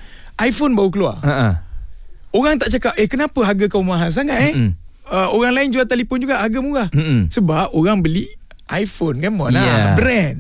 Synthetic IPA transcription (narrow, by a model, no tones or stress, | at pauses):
ʔajfonbaukəlua̰aʔə | oɾaŋt̪aʔt͡ʃakap̚ʔəhkənapəɦaɡəkaumaɦans̬aŋat̪ɛ | əoɣaŋlaɪnd͡ʒuat̪alipʊnd͡ʒuɡaʔhaɡaəmuɣah̩səbap̚oɣaŋbəliʔ | ʔajfonkanmɔnabɾɛn